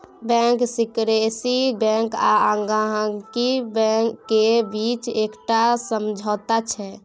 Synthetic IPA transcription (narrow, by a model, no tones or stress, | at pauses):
bɛ̃ːŋksɪkɾesibɛ̃ŋkaãŋɡaɦə̃kibɛ̃kːebiːt͡ʃeːkʈasəmd͡ʒʱɔt̪at͡ʃʰɛ